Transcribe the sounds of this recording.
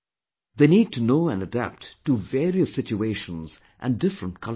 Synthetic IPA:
ðeniːd̚tʰunoʊæ̃nədæ̰p̚tːuvɛːɾiəsɪt͡ʃueɪʃə̃nz̥ | ʔæ̰̃ndɪfɹə̃nt̚kʰʌ

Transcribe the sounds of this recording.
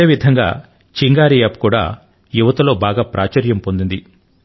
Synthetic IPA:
eːʋid̪ʱɐŋɡa̰ː | t͡ʃiŋɡaːɾijapkuːɽa̰ː | juʋɐt̪ɐlo̞ːbaːɡaːpɾaːt͡ʃɐɾjɐmpo̞nd̪und̪i

